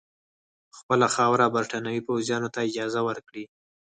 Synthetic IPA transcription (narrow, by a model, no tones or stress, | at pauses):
xpəlaxɑwɾabaɾʈanawipawzjɑnot̪aɪd͡ʒɑzawəɾkɽi